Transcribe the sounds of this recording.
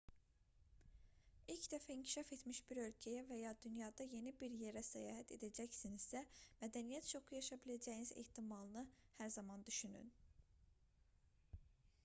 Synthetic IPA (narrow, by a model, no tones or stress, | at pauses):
ilcd̪æfæiŋcʰi̥ʃɑfe̞t̪miʃbiɾø̞lcʰæjævæjɑːd̪ynjɑd̪ɑje̞nibiɾje̞ɾæsæjɑ̰ːɦæt̪ʰe̞̰d̪æd͡ʒæçsinizsæmæd̪ænijæt̪t͡ʃʰo̞xujɑʃɑbilæd͡ʒæjinizḛht̪ʰimɑlˠɯnɯhæɾzɑmɑnd̪yʃyny̰n